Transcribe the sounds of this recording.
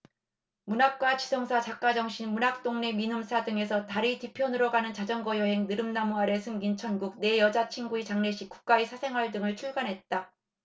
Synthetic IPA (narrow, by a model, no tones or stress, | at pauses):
munak̚k͈wat͡ɕisʰʌŋsʰat͡ɕak̚k͈ad͡ʑʌŋɕʰinmunak̚t͈oŋne̞minɯmsʰadɯŋe̞sʰʌtaɾitipʰjʌnɯɾʌɡanɯnt͡ɕad͡ʑʌnɡʌjʌɦe̞ŋnɯɾɯmnamoaɾe̞sʰɯmɡint͡ɕʰʌnɡuk̚ne̞jʌd͡ʑat͡ɕʰiŋɡuit͡ɕaŋne̞ɕʰik͈u̥k̚k͈aisʰasʰe̞ŋɦwaɭdɯŋɯɭt͡ɕʰuɭɡanɦe̞t̚t͈a